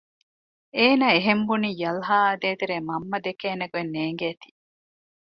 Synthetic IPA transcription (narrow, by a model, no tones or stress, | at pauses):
eːnaːeɦembuniːjɐlɦaːɐd̪eːt̪eɾeːmɐmːɐd̪ekeːneɡuenːeːŋɡeːt̪i̥ː